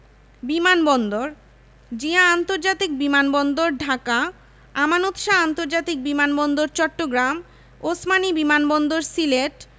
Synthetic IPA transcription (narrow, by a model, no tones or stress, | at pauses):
bimanbɔnd̪oɾ | d͡ʑiaant̪oɾd͡ʑat̪ik̚bimanbɔnd̪oɾɖʱaka | amanot̪ʃaant̪oɾd͡ʑat̪ik̚bimanbɔnd̪oɾt͡ɕɔʈːoɡɾam | osmanibimanbɔnd̪oɾsileʈ